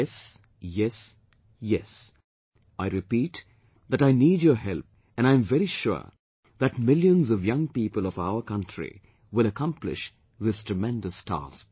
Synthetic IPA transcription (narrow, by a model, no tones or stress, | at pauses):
s | jɛs | jɛs | aɪɹɨpiːt̪ | ðæɾaɪnid͡ʒjəɦɛlˠp̚ | ɨ̃nãɪɨ̃ɱvɛɾiʃʊ̰ɹ | ðɨtmɪljə̃nzʌvjʌ̃ŋpiːpəlˠʌvaʊə˞kʰʌ̃ntʰɹ̥ḭ | wɪləkʰʌ̃mplɪ̰ʃ | ðɪstʰɹ̥əmɛ̃ndɨstʰæ̰sk̚